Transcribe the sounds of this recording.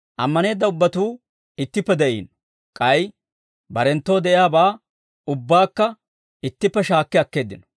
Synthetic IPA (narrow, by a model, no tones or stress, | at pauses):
ʔɐ̰mːɐne̞ːd̪ːɐʊbːɐt̪uː | ɪt̪ːɪpːɛd̪ɛʔḭːn | kʼɐj | bɐɾɛnt̪ːo̞ːd̪ɛʔɪjaːbaː | ʊbːaːkːɐ | ɪt̪ːɪpːɛʃaːkːɛɐkːe̞ːd̪ːɪnɔ̥